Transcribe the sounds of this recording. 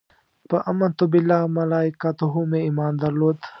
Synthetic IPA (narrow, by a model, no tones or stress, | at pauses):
pɐʔɐmːɐnt̪ubilːaːmɐlaːikat̪uɦumẽiːmaːnd̪ɐɾloːt̪